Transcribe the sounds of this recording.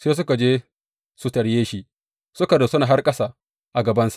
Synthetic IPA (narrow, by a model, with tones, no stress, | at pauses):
seː˦s̬ʊ˦ka˨d͡ʒeː˦ | su˨tɐ˨ɽjeː˦ʃi˦ | sʊ˦ka˨da˨sʊ˦naː˨ɦa˦rkʼɐ˦sa˨ | ʔa˨ɡɐ˨bɐ˦nsḁ˨